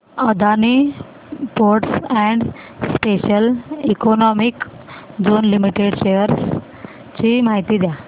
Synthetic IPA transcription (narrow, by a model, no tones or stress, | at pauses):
əd̪ʱani | poɾʈsɛ̃ɳɖ | speɕəlikɔnɔmik | d͡zonlimiʈeɽɕejəɾs | t͡ɕimaɦit̪iːd̪ja